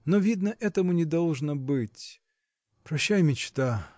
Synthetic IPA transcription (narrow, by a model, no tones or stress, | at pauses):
novʲid̪nəʔɛt̪əmʊnʲɪd̪ɐlˠʐnəbɨtʲ | pɾɐɕːajmʲɪt͡ɕt̪a